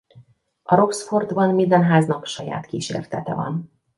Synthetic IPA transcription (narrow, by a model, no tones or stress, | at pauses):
ɒɾo̞ksfo̞rd̪bɒnmind̪ɛnɦaːznɒkʃɒja̰ːt̪kiːʃḛːrt̪ɛt̪ɛvɒ̰n